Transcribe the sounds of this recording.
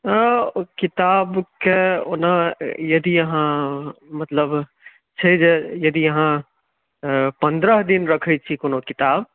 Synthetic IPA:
kɪt̪aːbkeonajɐd̪ijɐɦãmɐt̪ləb | t͡ʃʰɛd͡ʒejɐd̪ijɐɦã | pə̃nd̪ɾəɦd̪inɾɐkʰɛt͡ʃʰikonokɪt̪aːb

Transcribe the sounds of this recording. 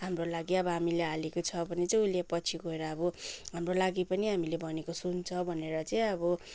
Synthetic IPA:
ɦamrolaɡiʌbʌɦamilealekot͡sʰʌbʱʌnet͡sʌj̃ulepʌt͡sʰiɡoeɾʌːbʌɦamrolaɡipʌniɦamilebʱʌnekosunt͡sʰʌbʱʌneɾʌt͡sʌj̃ʌbʌ

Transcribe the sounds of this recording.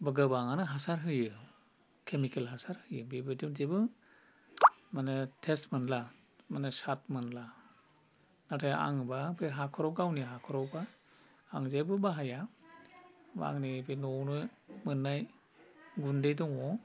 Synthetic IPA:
baɡɯbaŋanɯɦasaɾɦɯjɯ | kʰemikʰelɦasaɾhɯjɯbibɯdimzebɯ | manɯtʰestmanla | manɯsat̚mɯnla | natʰaja̰ŋbapʰeɦakʰɔɾɔɡawniɦakʰɔɾɔwbaː | ŋzejbɯbaɦaja | ba̰ŋnibʰejnɔwnɯmɯnːaj | ɡundejdɔŋɔ

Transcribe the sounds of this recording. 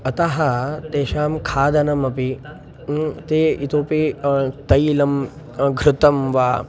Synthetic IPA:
ɐt̪ɐɦɐt̪eːʃaːmkʰaːd̪ʱɐnɐmɐpi | t̪eːit̪oːpit̪ɐjlɐm | ɡʱɾɪt̪ɐmʋaː

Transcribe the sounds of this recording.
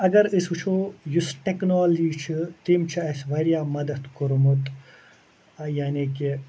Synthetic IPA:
ɐɡɐɾisut͡ʃʰojusʈeknoːld͡ʒiːt͡ʃʰit̪imt͡ʃʰiɐsʋɐɾjaːmɐd̪ɐt̪koɾmut̪ | jaːniki

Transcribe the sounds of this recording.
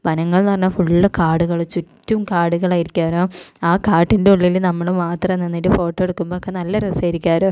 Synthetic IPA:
ʋɐnɐŋːɐɭnɐrɐnːɐfuɭːɐkaːɽuɣɐɭt͡ɕutːumkaːɽuɣɐɭaːjiɾikʲːaːɾoːaːkaːʈːindeuɭːilnɐmːɐɭumaːt̪rɐenːenːiʈːɨfo̞ːʈːoːeɽukːumboːokːe̞nɐlːɐɾɐsɐjɾikʲːaːɾoː

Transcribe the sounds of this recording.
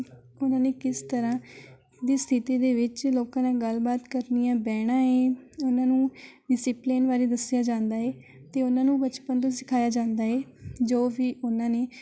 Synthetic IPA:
ʊnãːneːkɪst̪əɾãː | d̪iːst̪ʰɪt̪iːd̪eːʋɪt͡ʃloːkãːnãːɡəlbaːt̪kəɾnijãːbɛːɽ̃ãːẽːʊnãːnũːɖɪsiːpleːnʋaːɾeːd̪əsɪjaːd͡ʒãːnd̪aː | t̪eːʊnãːnũːbət͡ʃpənt̪õːsɪkʰaːjaːd͡ʒãːnd̪aːɦeːd͡ʒoːbiːʔʊnãːneː

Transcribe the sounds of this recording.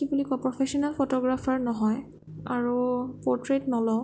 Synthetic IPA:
ibulikɔpɹɔpʰesiɔnalpʰotɔɡɹapʰaɹnɔɦɔj | aɹupɔɹtɹetnɔlɔ

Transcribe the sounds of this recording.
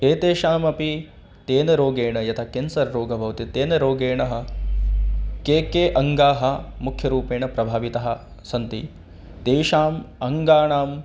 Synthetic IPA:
eːt̪eːʃaːmɐpi | t̪eːnɐɾoːɡeːɳɐjɐt̪ʰɐkeːnsɐɾɾoːɡʱɐbʱɐʋt̪it̪eːnɐɾoːɡeːɳɐɦɐ̆ | keːkeːʔɐŋɡaːɦɐ̆mukʰjɐɾuːpeːɳɐpɾɐbʱaːʋit̪ɐɦɐ | sɐnt̪ḭ | t̪eːʃaːmɐŋɡaːɳaːm

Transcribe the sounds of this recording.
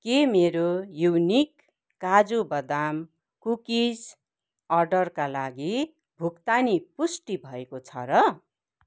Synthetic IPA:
kemeɾojunikː | ad͡zubʌd̪am | kukid͡z | ʌrɖʌrkalaɡi | bʱukt̪anipusʈibʱʌekot͡sʰʌ̰ɾʌ

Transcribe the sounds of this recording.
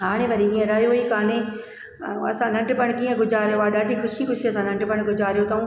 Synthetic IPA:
ɦaːɽ̃ẽʋɐɾiĩːə̃ɾaːjoikaːne | ɐ̰sãnɐ̃ɳɖpɐɽ̃kĩːə̃ɡʱʊd͡ʑaːɾjoaːɗaːɖʱikʰʊʃikʊʃiɐsãnɐ̃ɳɖpɐɽ̃ɡʱʊd͡ʑaːɾjot̪ɐũː

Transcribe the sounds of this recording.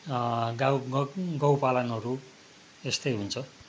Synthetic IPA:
ɡaɡʌwpalanʌɾu | est̪ʌjɦunt͡sʰʌ

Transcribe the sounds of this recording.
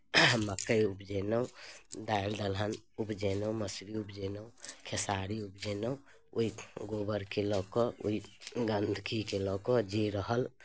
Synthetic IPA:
məkːəjupd͡ʒeːnəũd̪aːld̪əlɦənupd͡ʒeːnəwməsɾiupd͡ʒenə̃kʰesaːɾiupd͡ʒeːnəũ | uiɡoːbəɾkelɔkɔṵiɡənd̪ʱkikelɔkɔd͡ʒiɾəɦəl

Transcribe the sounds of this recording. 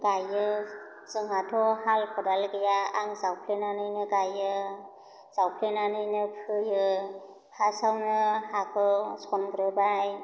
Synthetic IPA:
ɡajɯ | t͡sɯŋatʰɔhalpʰɔdalɡɯjaaŋzawpʰlenanɯjnɯɡajɯ | z̥awpʰlenanɯjnɯpʰɯjɯ | pʰasawnɯhakʰɯsʰɔnɡɾɯbaj

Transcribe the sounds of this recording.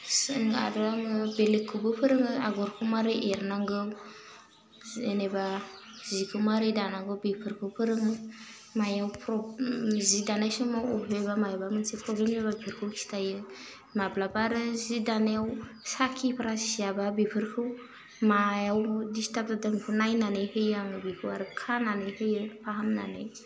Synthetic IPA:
sɯŋɡa̰ɾaŋɯbelikʰːɯbɯpʰɯɾɯŋɯa̰ɡɔɾkʰɯwmaɾɯʔeɾnaŋɡɯ | eneba | zikʰɯwmaɾɯjdanaŋɡɯwbipʰɯɾkʰɯwpʰɯɾɯŋɯ | majawpʰɾɔzidanajsɔmawɔbebamajabamɯnsepɾɔblemebabipʰiɾkʰɯwkʰi̥stʰajɯ | maplapaɾɯzidaneawsakʰipʰaɾassijababipʰɯɾkʰɯw | majawdistap̚tadɯmkʰɯnajnanɯjhɯjaŋɡɯbikʰɯwaɾɯkʰananɯjhɯjɯpʰaɦamna̰nɯ̰j

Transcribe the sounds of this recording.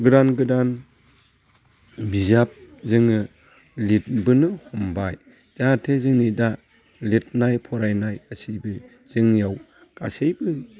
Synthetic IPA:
ɡɯdanɡɯdan | bizap̚zɯŋɯ | lit̚bɯnɯhɔmbaj | z̥atʰezɯŋnida | let̚najpʰɔɾajnajkasejbɯ | z̥ɯŋjaw | kasejbɯ

